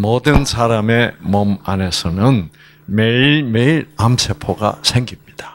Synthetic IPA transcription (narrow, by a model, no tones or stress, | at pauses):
mʌdɯnsʰaɾame̞mʌmane̞sʰʌnɯn | me̞iɭmeiɾamsʰe̞pʰoɡa̰sʰe̞ŋɡimɲid̥ḁ